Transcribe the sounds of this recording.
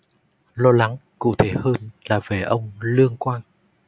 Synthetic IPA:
lɔ˧la˨˦ŋkṵ˧˩t̪ʰe˧˩həː˧nlaː˨˩ve˨˩ʔə˧wŋ͡mlɨ˧əŋkwaː˧n

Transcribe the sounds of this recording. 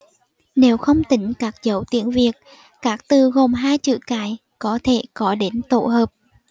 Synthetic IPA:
ne˨˦wxə˧wŋ͡mt̪ï˨˦ŋ̟kaː˦˥k̚zə˨˦wt̪ḭ˧˨ənvi˨˩ək̚ | kaː˦˥k̚t̪ɨ˨˩ɣo˨˩mɦaː˧jt͡ɕɨ̰˧˨kaː˨˦j | kɔ˨˦t̪ʰe˧˩kɔ˨˦ɗe˨˦nt̪o̰˧˨həː˨˩p̚

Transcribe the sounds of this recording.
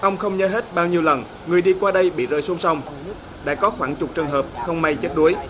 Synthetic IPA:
ʔə˧wŋ͡mxə˧wŋ͡mɲə̰˨˦ɦe˦˥t̚ɓaː˧wɲi˧əwlə˨˩n | ŋɨ˨˩əjɗi˧kwaː˧ɗə˧jɓḭ˧˨zə̰ː˨˩jsu˨˦ŋ͡msa˧wŋ͡m | ɗa̰ː˧˥kɔ˨˦xwaː˧˩ŋt͡ɕʊ˨˩k͡p̚t͡ɕɨ˨˩ŋɦəː˨˩p̚xə˧wŋ͡mma˧jt͡ɕə˦˥t̚ɗu˨˦əj

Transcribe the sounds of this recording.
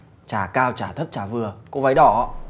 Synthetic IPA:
t͡ɕaː˧˩kaː˧wt͡ɕaː˧˩t̪ʰə˦˥p̚t͡ɕaː˧˩vɨ˨˩əko˧˦va˨˧˦jɗɔ˧˩˦

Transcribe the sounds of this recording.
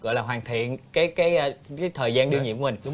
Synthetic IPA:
ɔ̰˧˨jlaː˨˩ɦwaː˨˩nt̪ʰḭ˧˨ənkaː˨˦jkaː˨˦jaː˨˦jt̪ʰəː˨˩jzaː˧nɗɨ˧ŋɲḭ˨˧˨kŋɗʊ˨˦ŋ͡m

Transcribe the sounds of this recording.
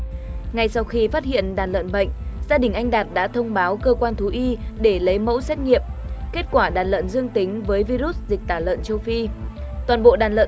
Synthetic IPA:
ŋa˧˩jsa˧wxi˧faː˦˥t̚hḭ˧˨ənɗaː˨˩nlə̰˧˨nɓə̰˧˨jŋ̟zaː˧ɗï˨˩ŋ̟ʔa˧jŋ̟ɗaː˨˩t̚ɗa̰ː˧˥t̪ʰə˧wŋ͡mɓaː˨˦wkəː˧kwaː˧nt̪ʰu˨˦ʔi˧ɗe˧˩lə˨˦jmə̰˧˥wsɛ˦˥t̚ŋḭ˧˨əmke˦˥t̚kwaː˧˩ɗaː˨˩nlə̰˧˨nzɨ˧əŋt̪i˨˦ŋ̟vəː˨˦jvi˧zu˦˥t̚zï˨˩k̚t̪aː˧˩lə̰ː˧˨nt͡ɕə˧wfi˧t̪waː˨˩nɓo̰˧˨ɗaː˨˩nlə̰ː˧˨

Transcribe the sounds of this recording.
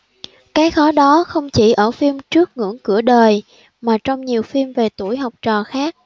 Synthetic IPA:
kaː˨˦jxɔ˨˦ɗɔ˨˦xə˧wŋ͡mt͡ɕi˧˩ʔəː˧˩fi˧mt͡ɕɨ˦˥ək̚ŋɨ̰˧˥əŋkɨ̰˧˩əɗəː˨˩j | maː˨˩t͡ɕɔ˧wŋ͡mɲi˨˩əwfi˧mve˨˩t̪u˧˩əjɦɔ˨˩wk͡p̚t͡ɕɔ˨˩xaː˦˥k̚

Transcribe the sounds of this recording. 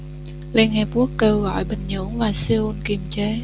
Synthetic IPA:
le˧nŋɛ˨˩ku˦˥əkːəː˧wɣɔ̰˧˨jɓï˨˩ŋ̟ɲṵ˧˥ənvaː˨˩si˧u˧nki˨˩mt͡ɕe˨˦

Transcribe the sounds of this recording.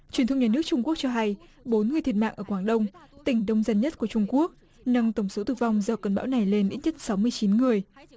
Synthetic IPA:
t͡ɕwi˨˩t̪ʰə˧ŋ͡mɲaː˧˩nɨ˦˥ək̚t͡ɕʊ˧ŋ͡mku˦˥ək̚t͡ɕɔ˧ɦa˧jɓo˨˦nŋɨ˨˩t̪ʰi˨˩t̚ma̰ː˧˨ʔəː˧˩kwaː˧˩ŋɗə˧wŋ͡mt̪ï˧˩ŋ̟ɗə˧wŋ͡mzə˧nɲə˦˥t̚ku˧˩ət͡ɕʊ˧ŋ͡mku˦˥ək̚ | na˧mt̪ə˧˩wŋ͡mso˨˦t̪ɨ˧˩va˧wŋ͡mzɔ˨˩kə˨˩nɓa̰ː˧˥wna˨˩jle˧nʔḭ˧˥t̚ɲə˦˥t̚sa˨˦wmɨ˧əjt͡ɕi˨˦nŋɨ˨˩əj

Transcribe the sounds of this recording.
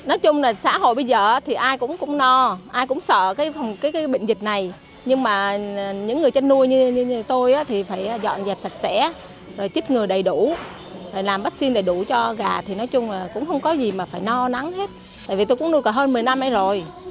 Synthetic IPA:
nɔ˨˦jt͡ɕʊ˧ŋ͡mlaː˨˩sa̰ː˧˥ɦo̰˧˨jɓə˧jzəː˨˩ʔaː˨˦t̪ʰi˨˩ʔaː˧jkʊ̰˧˥ŋ͡mkʊ̰˧˥ŋ͡mnɔ˧ʔaː˧jkʊ̰˧˥ŋ͡msə̰ː˧˨kaː˨˦jfa˨˩wŋ͡mkaː˨˦jkaː˨˦jɓə̰̈˧˨ŋ̟zï˨˩k̟̚na˨˩j | ɲɨ˧ŋmaː˨˩˨ɲɨ̰˧˥ŋːɨ˨˩əjt͡ɕa˧nnu˧əjɲɨ˧ɲ˧t̪o˧jʔaː˨˦t̪ʰi˨˩faː˧˩jʔaː˨˩zɔ̰˧˨nzɛː˨˩t̚sa˨˩t̚sɛ̰˧˥ | zo˨˩jt͡ɕɨ˦˥k̚ŋɨ˨˩əjɗə˨˩jɗu˧˩ | zo˨˩jlaː˨˩mɓə˦˥t̚si˧nɗe˧˩ɗu˧˩t͡ɕɔ˧ɣaː˨˩t̪ʰi˨˩nɔ˨˦jt͡ɕʊ˧ŋ͡mlaː˨˩kʊ̰˧˥ŋ͡mxə˧wŋ͡mkɔ˨˦zi˨˩maː˨˩faː˧˩jnɔ˧na˨˦ŋhe˦˥t̚ | t̪a̰ː˧˨vi˨˩t̪o˧jkʊ̰˧˥nu˧jkɔː˧˩ɦəː˧nmɨ˨˩əjna˧mʔa˨˦jzo˨˩j

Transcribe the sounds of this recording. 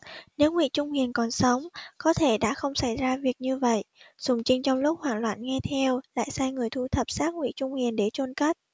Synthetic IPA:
ne˨˦wŋwḭ˧˨t͡ɕʊ˧ŋ͡mhi˨˩ənkɔ˨˩nsə˨˦wŋ͡mkɔ˨˦t̪ʰe˧˩ɗa̰ː˧˥xə˧wŋ͡msa˧˩jzaː˧vi˨˩ək̚ɲɨ˧və̰˧˨jʔz̥ʊ˨˩ŋ͡mt͡ɕï˧ŋ̟t͡ɕɔ˧wŋ͡mlʊ˦˥k͡p̚hwaː˨˩nlwa̰ː˧˨nŋɛ˧t̪ʰɛ˧wla̰ː˧˨jsaː˧jŋɨ˨˩əjt̪ʰu˧t̪ʰə˨˩p̚saː˦˥k̚ŋwḭ˧˥˨t͡ɕʊ˧ŋ͡mhi˨˩ənɗe˧˩t͡ɕo˧nkə˦˥t̚

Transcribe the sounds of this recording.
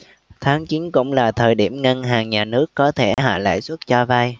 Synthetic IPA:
t̪ʰaː˨˦ŋt͡ɕi˨˦nkʊ̰˧˥wŋ͡mlaː˨˩t̪ʰəː˨˩jɗi˧˩əmŋə˧nɦaː˨˩ŋɲaː˨˩nɨ˦˥əkːɔ˨˦t̪ʰe˧˩ɦa̰ː˧˨la̰ː˧˨jswə˦˥t̚t͡ɕɔ˧va˧j

